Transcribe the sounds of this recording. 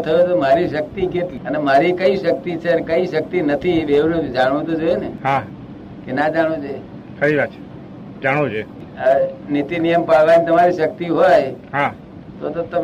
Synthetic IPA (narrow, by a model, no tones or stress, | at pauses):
t̪ʰəjot̪omaɾiʃək̚t̪iket̪liənemaɾikəiʃək̚t̪it͡ʃʰeɾkəiʃək̚t̪inət̪ʰiʋeʋd͡ʒaɽ̃ʋõt̪od͡ʒoeneɦã | kenad͡ʒaɽ̃õd͡ʒoe | fəɾiʋat̪t͡ʃʰe̥ | d͡ʒaɽ̃ot͡ʃʰe | nit̪inijəmpaʋanit̪əmaɾiʃək̚t̪iɦojɦã | t̪ot̪ot̪əm